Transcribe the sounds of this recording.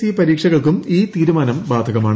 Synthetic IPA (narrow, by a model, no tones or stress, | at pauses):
ijɐpɐɾiːkʂɐɣɐɭkumiːt̪iːɾumaːnɐmbaːd̪ʱɐɣɐmaːɳ